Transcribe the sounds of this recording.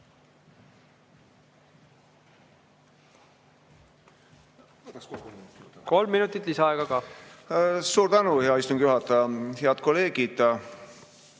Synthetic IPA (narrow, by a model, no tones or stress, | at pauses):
ko̞lmːinut̪ːˑit̪ˑlisɑɑeɡ̥ɑkɑː | suːɾt̪ænuheɑist̪umɡ̥juɦɑt̪ːˑɑɑheɑd̪̥̚ko̞le̞ːɡ̥id̪̥